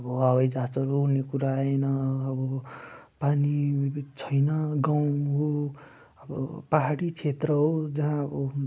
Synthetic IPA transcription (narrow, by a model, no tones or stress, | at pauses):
ʌbʌwabʌjd͡zat͡sʌɾounekuɾaenʌːbʌpanit͡sʰʌjnʌɡaw̃ɦo | ʌbʌpaɦaɽit͡sʰet̪rʌɦod͡zaɦãʌbʌ